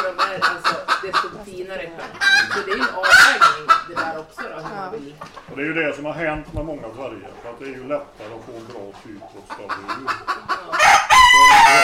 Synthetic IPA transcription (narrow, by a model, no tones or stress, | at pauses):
d̪ɔmæɾalsɔd̪ɛst̪ɔfɔfiːnaɾəɪkɾɛlːsɔd̪ɛæɾjɵɛnɑːvvɛːɡnɪŋd̪ɛd̪æːɾɔksɔɾɔhvɪlːɔd̪ɛæːjɵd̪ɛsɔmhaɾɦɛnt̪mɛmɔŋːavæɾjə̰ɾfœɾat̪̚d̪ɛæɾjɵlɛt̪ːaɾəɔt̪foːɛnbɾɑːt̪ʰyːd̪fʰɾɔt̪skɑvɪʉː